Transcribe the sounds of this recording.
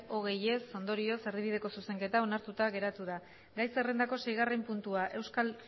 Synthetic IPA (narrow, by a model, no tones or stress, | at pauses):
o̞ɣ̞e̞je̞so̞nd̪o̞ɾio̞se̞ɾðiβið̞e̞ko̞suse̞ŋke̞t̪ao̞naɾt̪ut̪aɣe̞ɾat̪uða | ɡajse̞re̞nd̪ako̞se̞jɣ̞arempunt̪uaʔe̞wskal